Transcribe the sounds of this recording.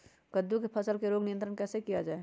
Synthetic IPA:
kəd̪ːukepʰəsəlkeɾoːɡnijənt̪ɾənkɛːsekijad͡ʒaːe

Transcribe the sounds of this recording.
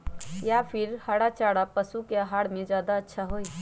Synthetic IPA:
japʰiɾhaɽat͡ʃaːɽapəsukeəɦaɽmẽd͡ʒjaːd̪aətːʃʰaɦoi

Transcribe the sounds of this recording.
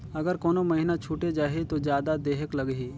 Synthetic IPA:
ɐɡəɾkoːnomɐɦinat͡ʃʰuːʈed͡ʒaːɦet̪ozjaːd̪ad̪eːɦəklɐɡɦiː

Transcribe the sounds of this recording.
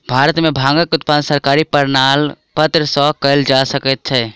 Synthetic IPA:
bʱaːɾət̪mẽbʱãːŋɡəkʊt̪paːnsəɾkaːɾipəɾnaːl | pət̪ɾəsɔkəld͡ʒaːsəkət̪̚t͡ʃʰɛː

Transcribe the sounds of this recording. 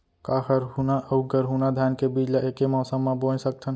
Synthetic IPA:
kaːɦəɾɦunaʔəɡəɾɦunad̪ʱjaːnkebid͡ʒlaʔeːkemɔːsəmːãboːnsək̚t̪ʰən

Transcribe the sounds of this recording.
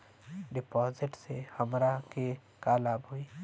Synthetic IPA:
ɖɪpɔːzɪʈsehəmɾake | kaːlaːbɦʊiː

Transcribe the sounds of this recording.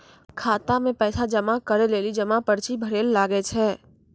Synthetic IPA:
kʰaːt̪amẽpɛːsad͡ʒəmakəɾeleːlid͡ʒəmapəɾt͡ʃibʱəɾeːlːaːɡɛt͡ʃʰɛ

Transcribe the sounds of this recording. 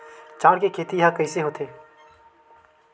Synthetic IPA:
t͡ʃaːɾkekʰeːt̪ijɦakɐɪseɦoːt̪ʰeː

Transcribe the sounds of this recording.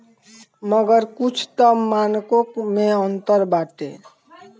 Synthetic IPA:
məɡəɾkut͡ʃʰt̪əːankokmẽənt̪əɾbaʈḛ

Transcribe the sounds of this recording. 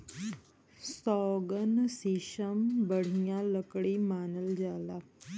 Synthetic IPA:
sɔːɡənsiːʃəmbəɽ̤ijãləkɽiːmaːnəld͡ʒaːlaː

